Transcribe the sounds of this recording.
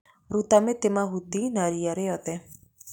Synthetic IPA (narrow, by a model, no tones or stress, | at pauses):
ɾut̪amet̪emaɦut̪inaɾijaɾeɦɔt̪ɛ